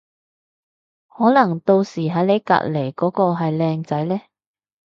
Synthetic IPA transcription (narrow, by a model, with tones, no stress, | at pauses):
hɔː˨˥nɐ˨˩ŋt̪o˧wsiː˨˩ɦɐ˨˥jne˨˧jka̰˧t̚le˨˩jkɔː˨˥kɔː˧ɦɐ˨jlɛː˧ŋt͡sɐ˨˥jlɛː˥